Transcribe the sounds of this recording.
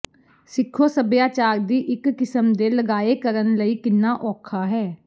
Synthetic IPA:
sɪkʰːoːsəbjaːt͡ʃaːɾd̪iːʔɪkːɪsəmd̪eːləɡaːeːkəɾənləiːkɪnːaːʔɔːkʰaːɦɛː

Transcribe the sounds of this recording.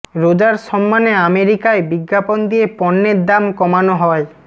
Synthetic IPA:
ɾod͡ʑaɾʃɔmːaneameɾikaebiɡːapond̪iepɔnːeɾd̪amkɔmanoɦɔe

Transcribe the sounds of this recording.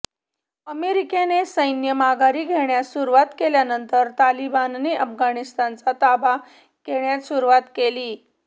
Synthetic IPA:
əmeɾikenesəjnjəmaɡʱaɾiːɡʱeɳjasuɾuʋat̪keljanənt̪əɾt̪alibanːeʔəfɡʱanist̪ant͡sat̪aba | keɳjat̪ɕuɾuʋat̪keliː

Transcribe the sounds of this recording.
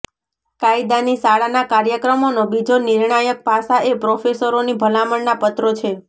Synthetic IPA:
kaid̪anisaɭanakaɾjəkɾəmonobid͡ʒoniɾɳajək̚pasaepɾofesəɾonibʱəlaməɳnapət̪ɾot͡ʃʰe

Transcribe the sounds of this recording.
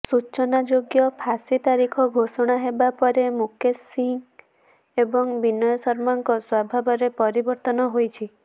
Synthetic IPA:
sut͡ʃɔnad͡ʒoɡjɔpʰasit̪aɾikʰɔɡʱosɔɽ̃aɦebapɔɾemukʰesiŋ | ebɔŋbinɔjɔsɔɾmaŋkɔswabʱabɔɾepɔɾibɔɾt̪ɔnɔɦojt͡ʃʰi

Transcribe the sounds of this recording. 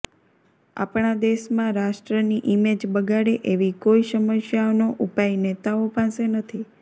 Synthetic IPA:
a̰pɳad̪eʃmãɾaʃʈɾəniʔimed͡ʒbəɡaɽeʔeʋikoiʃəməʃjaonoʔupajnet̪aopãsenət̪ʰi

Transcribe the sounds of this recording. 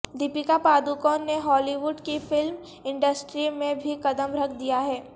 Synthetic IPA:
d̪ipikapaːd̪ukɔːnːeɦɔːliʋʊɖkifɪlm | ɪ̃ɳɖəsʈɾimẽbʱikɐd̪əmɾɐkʰd̪ijaɦɛː

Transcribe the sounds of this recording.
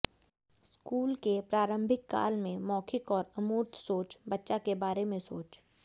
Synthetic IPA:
skuːlkepɾaːɾə̃mbʱɪkːa̰ːlmẽmɔːkʰɪkɔːɾɐmuːɾt̪soːt͡ʃbɐtːʃakebaːɾemẽsoːt͡ʃ

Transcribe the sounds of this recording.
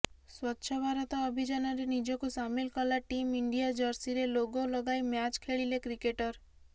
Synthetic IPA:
swɔtːʃʰɔbʱaɾɔt̪ɔːbʱid͡ʒanɔɾenid͡ʒɔkusamilkɔlaʈimiɳɖijad͡ʒɔɾsiɾeloɡolɔɡajmjat͡ʃkʰeɭilekɾikeʈɔɾ

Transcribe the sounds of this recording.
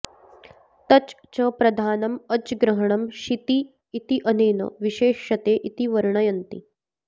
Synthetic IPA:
t̪ɐt͡ɕ | t͡ɕɐpɾɐd̪ʱaːnɐmɐt͡sɡɾɐɦɐɳɐmɕit̪iː | t̪iʔɐneːnɐ̰ʋiɕeːʃɐt̪eːʔit̪iʋɐɾɳɐjɐnt̪ḭ

